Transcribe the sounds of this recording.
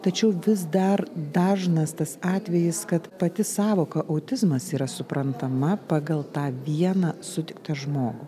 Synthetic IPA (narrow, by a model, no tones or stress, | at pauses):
t̪ɐt͡ʃʲɛʊʋʲɪzd̪ɐrd̪ɑːʒnɐst̪ɐsɑːt̪ʲʋʲɛjɪskɐt̪pɐt̪ʲɪsɑːʋoːkɐʔɐʊt̪ʲɪzmɐsiːɾɐsʊpɾɐnt̪ɐmɐpɑːɡɐlˠt̪ɑːʋʲiɛnɑːsʊt̪ʲɪkt̪ɐʒmoːɡʊ